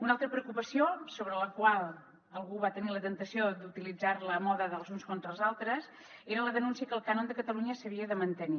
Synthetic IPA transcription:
unalˠt̪ɾəpɾəukupəsiosoβɾələkwalˠ | əlˠɣuβat̪ənilət̪ənt̪əsiod̪ut̪ilid͡zaɾləmɔðəðəlˠzunskont̪ɾəlˠzalˠt̪ɾəs | eɾələðənunsiəkəːlˠkanond̪əkət̪əluɲəsəβ̞iəðəmənt̪əni

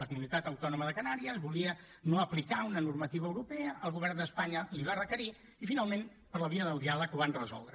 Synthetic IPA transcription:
əkumunit̪at̪əwt̪ɔnuməðəkənaɾiəzβuliə | noəplikaunənurmət̪iβəːwɾupɛəʔəlˠɣuβɛrnd̪əspaɲəliβ̞arəkəɾi | ifinalˠmẽn | pəɾləβiəðəlˠd̪ialəkuβanrəzɔ̰lˠd̪ɾə

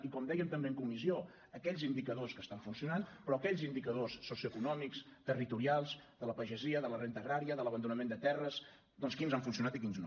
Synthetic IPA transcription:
ikɔmd̪ɛjəmt̪əmbeəŋkumizio | əkɛʎzind̪ikəðoskəst̪aɱfunsiunanpɾɔkɛʎzind̪ikəðosːosiuəkunɔmikst̪ərit̪uɾialˠzd̪ələpəʒəziəðələrent̪əːɣɾaɾiəðələβənd̪unəmẽnd̪ət̪ɛrəz | d̪ɔnskinzaɱfuns̬iunat̪ikinzn

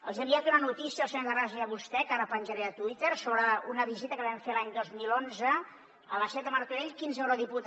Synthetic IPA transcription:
əlˠzəmbiat̪unənut̪isiəlˠsəɲoðəraʒiəβust̪ɛkaɾəpənʒəɾɛət̪wit̪əɾsoβɾəunəβizit̪əkəβɛmfelaɲd̪ozmilonzə | ələsɛt̪əməɾt̪uɾeʎkinzewɾoðiput̪

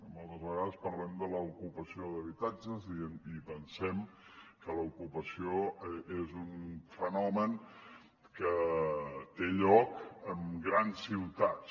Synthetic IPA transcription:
mɔlˠt̪əzβəɣaðəspəɾlɛmd̪ələukupəsioðəβit̪ad͡ʒəzinipənsɛm | kələukupəsioezunfənɔmən | kə | t̪eʎɔkəmɡɾansːiwt̪at̪s

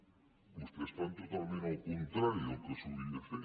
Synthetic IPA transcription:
must̪ɾest̪ant̪ot̪almẽnawkont̪ɾaɾjokesuðinefe

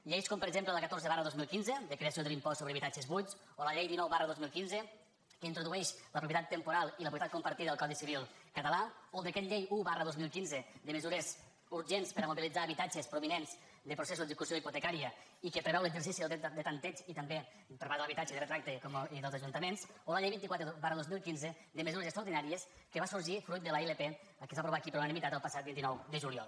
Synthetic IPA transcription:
ʎejskompəɾɡzemplələkət̪oɾzəβarəðozmilˠkinzəd̪əkɾeasioðelimpɔssːoβɾəβit̪ad͡ʒəzβujt͡s | oləʎejðinɔwβarəðozmilˠkinzə | kəint̪ɾuðuɛʃləpɾup̬jət̪at̪ːəmpuɾalˠiləpɾupjt̪at̪kumpəɾt̪iðəəlˠkɔðisiβilˠkət̪əlaolˠd̪əkɛt̪ʎejuβarəðozmilˠkinzəd̪əməzuɾez | uɾʒenspəɾamuβilid͡zaːβit̪ad͡ʒəspɾuβinenz | d̪əpɾusesuzðeikusioiput̪ekaɾiəikəpɾeβɛwləɡzəɾs̬isiðd̪ət̪ant̪et͡ʃit̪əmbe | pəɾβaɾðəlɐβit̪ad͡ʒəðrət̪ɾak̚t̪ekɔðeəlˠzaʒunt̪əmensolaʎejβint̪ikwat̪ɾeβarəðozmilˠkinzə | d̪əməzuɾəzekst̪ɾauɾðinaɾiəs | kəβasuɾʒifɾujt̪̚d̪əlaelepe | kezβapɾuβakipeɾunənimit̪at̪əlˠpasat̪̚bint̪inɔwd̪əʒuliɔ̰lˠ

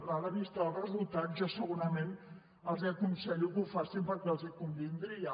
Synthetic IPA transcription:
laləβist̪ɔlrəzulˠt̪atʒasəɣuɾəmen | əlˠzɛkunsɛʎuɣufasilpəɾkalˠzikumbind̪ɾia

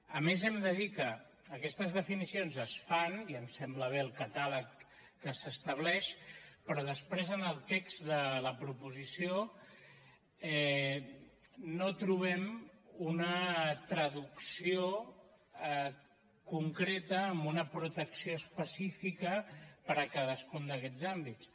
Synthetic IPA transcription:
əmezɛmd̪əðikəː | kɛst̪əzðəfinisionzəsfaniəmsɛmbləβ̞eəlˠkət̪aləkː | əsəst̪əβ̞lɛʃpɾɔðəspɾezənəlˠt̪ekz̥d̪ələpɾupuzisio | ɛ | not̪ɾuβ̞ɛmunət̪ɾəðuksio | kuŋkɾet̪əːmbunəpɾut̪əksioəspəsifikəpəɾəkaðəskund̪əkɛd͡zzambit͡s

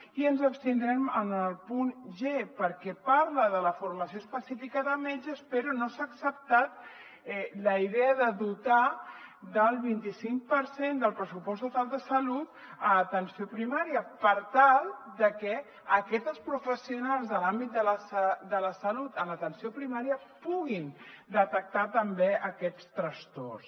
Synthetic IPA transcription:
iənzəpst̪ind̪ɾɛmənəlˠpunʒepəɾkɛpaɾləðələfuɾməsioəspəsifikəðəmed͡ʒəspəɾonosaːksəp̚t̪at̪̚ | ɛləiðɛəðəðut̪ad̪əlˠβint̪isiŋk̚pəɾsend̪əlˠpɾəsupɔst̪ut̪alˠd̪əsəlut̪ | əət̪ənsiopɾimaɾiəpəɾt̪alˠd̪əkɛ | əkɛt̪əspɾufəsiunalˠzðəlambit̪̚d̪ələsd̪ələsəlut̪ənlət̪ənsiopɾimaɾiəpuɣind̪ət̪ək̚t̪at̪əmbeəkɛt͡st̪ɾəst̪o̰rs

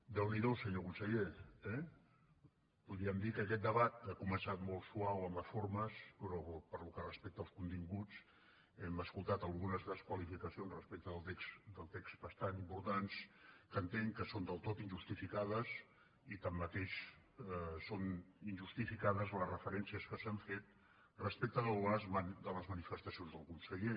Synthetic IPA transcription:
d̪əwniðosəɲokunsəʎeɛ | puðɾiəmd̪ikəːkɛt̪̚d̪əβat̪̚akumənsat̪molˠsuawəmləsfoɾməspɾɔpəɾlukərəspek̚t̪əlˠskunt̪iŋɡut͡s | ɛməskulˠt̪at̪əlˠɣunəzðəskwəlifikəsionzrəspek̚t̪əðəlˠt̪eksd̪əlˠt̪ekst̪bəst̪animpuɾt̪anskənt̪eŋkəsond̪əlˠt̪ot̪inʲʒust̪ifikaðəs | it̪amːət̪eʃ | soninʲʒust̪ifikaðəzləsrəfəɾɛnsiəskəsəɱfet̪̚ | rəspek̚t̪əðələzd̪ələzmənifəst̪əsionzðəlˠkunsəʎe

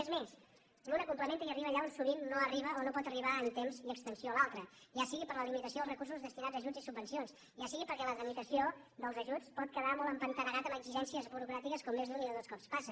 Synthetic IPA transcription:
ezmes | lunəkumpləment̪əiəriβəʎaunsuβ̞inːoəriβ̞əʔonopɔt̪əriβaənt̪emziəkst̪ənsioəlalˠt̪ɾəʒasiɣipəɾləlimit̪əsioðəlˠrəkursuzðəst̪inad͡zːʒud͡zisubːənsions | ʒasiɣipəɾkɛləɣɾəmit̪əsio | d̪əlˠzəʒut͡spɔt̪̚kəðamɔlˠəmpənt̪əɣəɣat̪əməɡziʒɛnsiəzβuɾukɾat̪ikəskɔmːezðuɲiðəðoskɔpspasə

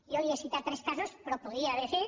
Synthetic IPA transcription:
iojesit̪at̪ɾeskasospɾopoðiaðeθiɾ

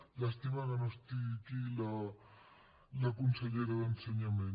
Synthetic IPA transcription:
laest̪iβananost̪ik̪ila | lakunseʎeɾaðenseɲamẽn

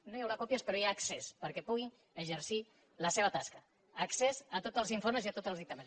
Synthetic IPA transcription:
nojawlakopjaspəɾojaksespəɾkepuɣ̞in | əʒəɾsi | ləseβ̞at̪askɐː | ksezat̪ot̪əlˠziɱfoɾmeziat̪ot̪zəlˠðik̚t̪amẽn

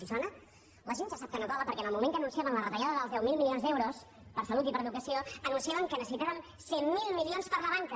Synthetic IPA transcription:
izɔnə | ləʒenʒasap̚kənokaβəpəɾkɛnəlˠmumẽŋkənũnsiaβənlərət̪əʎaðəðəlzðɛwmilˠmilionzðɛwɾos | pəɾsəlut̪̬ipəɾəðukəsioənunsiaβəŋkənəsəsit̪aβən | semmilˠmilionspəɾləβaŋkə

